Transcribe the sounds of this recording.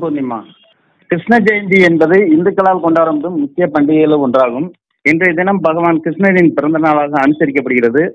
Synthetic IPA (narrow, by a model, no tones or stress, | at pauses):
pond̪ɪmːa̰ː | kɾɪʂnɐd͡ʒɐjnd̪iɛnbɐðɐɪɪnd̪ɐkːɐlaːlkɔɳɖaːɐɾɐmɐðɯmːʊkːɪjɐpɐɳɖɪɣɐjɪlɔɳdraːɣɯm | ɛndrɐɛðɪnɐmbɐɣɐʋaːnkɾɪʂnɐðɪnpɪɾɐnd̪ɐnaːlaːɣɐːnɯsɐɾɪkːɐpːɐɽɯɣɪɾɐðɯ